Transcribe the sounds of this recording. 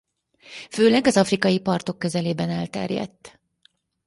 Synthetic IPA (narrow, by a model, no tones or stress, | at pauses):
føːlɛɡɒzɒfrikɒjipɒrt̪o̞kːø̞zɛleːbɛnɛlt̪ɛ̰rjɛ̰t̪ː